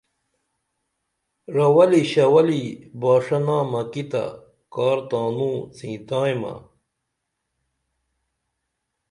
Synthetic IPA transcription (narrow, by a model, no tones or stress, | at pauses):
ɾɐwɐliɕɐwɐlibaːʂɐnaːmɐkit̪a̰ | kaːɾt̪ãːnũːt͡sʰĩːt̪ãːjmɐ̰